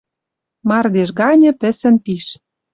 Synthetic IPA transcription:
mɑrd̪eʃ̬ɡɑnʲɤ̆pɘ̆sɘ̆npiʃ

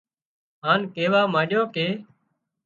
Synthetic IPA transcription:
ɦaːnkeːʋaːmaːɗjõːkeː

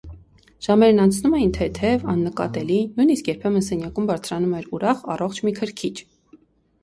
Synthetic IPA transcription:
ʒ̥ɑmɛɾnɑnt͡sʰnumɛjint̪ʰɛt̪ʰɛvɑnːəkɑ̰t̪ɛlinujniskjɛɾpʰɛmənsɛnjɑkumbɑɾt͡sʰɾɑnumɛɾuɾɑχɑ̰rɔχt͡ʃʰmikʰəɾkʰit͡ʃʰ

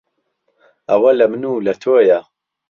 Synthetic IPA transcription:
ʔɐwɐlɐmɨnuːlɐt̪ʰoːja

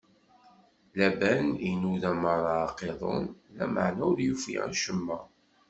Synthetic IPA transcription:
læbæninuðæməɾˤɑqeðˤo̰nlæ̰ma̰ʕnæɾjufḭæ̰ʃəmːæ

